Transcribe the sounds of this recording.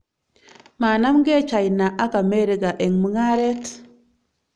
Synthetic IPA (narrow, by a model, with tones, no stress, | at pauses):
maː˨na˦mɡe˦t͡ʃa˨jna˨ʔa˦ka˨me˦ɾi˨ɡa˨ʔe˨ŋmə˦ŋa˦ɾe˦t